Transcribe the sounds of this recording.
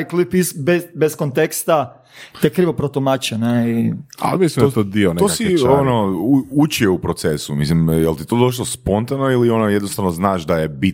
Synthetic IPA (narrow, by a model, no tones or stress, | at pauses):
jklipisbebeskont̪ekst̪a | t̪ekɾiʋopɾot̪omat͡ʃeneia̰mislimd̪t̪od̪ioneosionouut͡ʃieupɾot̪sesumḭslimjelt̪it̪od̪o̞ʃ̬lospo̞nt̪anoilio̞nojed̪nost̪aʋnoznaːʃd̪ajebit